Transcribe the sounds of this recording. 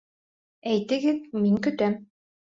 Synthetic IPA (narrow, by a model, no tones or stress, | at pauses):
ɛjt̪ɘ̆ɡɘðmiŋkɵt̪œm